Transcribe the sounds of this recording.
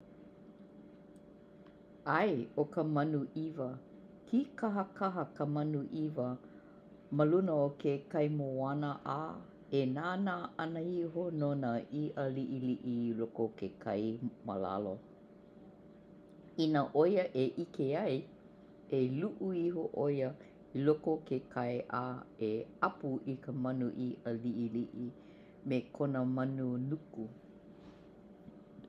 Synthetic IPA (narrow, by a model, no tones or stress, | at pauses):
ɐjokəmɐnuʔivə | kʰikɐɦəkɐɦəkəmɐnuʔivə | məlunəokekɐjmoanəʔa | enaːnaʔɐnəiɦononəʔiʔəliʔiliʔilokokekʰɐjmə̰la̰lo | inəʔojəʔeʔikeɐj | eluʔuiɦoʔojə | ilokokekʰɐjʔaeɐpuʔikəmɐnuʔiəliʔiliʔi | mekʰonəmɐnunuku